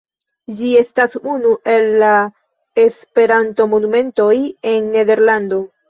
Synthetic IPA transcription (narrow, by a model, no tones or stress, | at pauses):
d͡ʒie̞stasunuʔe̞lːa | e̞spe̞ɾanto̞mo̞nume̞nto̞je̞nːe̞ðe̞ɾlando̞